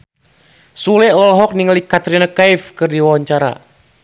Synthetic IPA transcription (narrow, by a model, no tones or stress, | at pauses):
sulɛlɔlɦɔk̚niŋəlikat̪ɾinakajfkɨrdiwawaɲt͡ʃaɾa̰